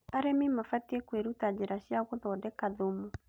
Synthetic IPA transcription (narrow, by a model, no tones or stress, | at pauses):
aɾemimafatiekweɾutad͡ʑeɾaɕjaɣoðɔːdɛkaðomu